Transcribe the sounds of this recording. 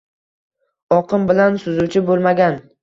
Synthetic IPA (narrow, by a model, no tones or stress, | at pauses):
ɒqʰɨmbɪlansʊzʊwt͡ʃʰɪbolˠmaɡʲan